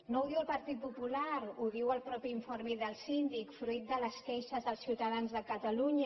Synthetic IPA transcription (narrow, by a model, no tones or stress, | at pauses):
nouðiwəlˠpəɾt̪it̪̚pupulaɾuðiwəlˠpɾɔpiiɱfoɾmiðəlˠsind̪ikfɾuit̪̚d̪ələskɛʃəzðəlˠsiwt̪aðanzðəkət̪əluɲə